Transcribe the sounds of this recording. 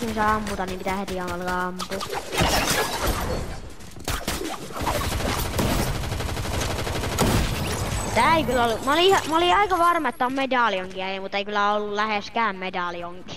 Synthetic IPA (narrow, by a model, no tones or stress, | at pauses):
insæɑmput̪ɑnnimpit̪æhet̪iɑmɑlkɑɑmpu | t̪æːeikylːæolːumolihɑmoliɑikɑʋɑrmɑet̪ːæommedɑˑlioŋkiæjemut̪ːeikylːˑæolːullæheskæːmmedɑlioŋki̥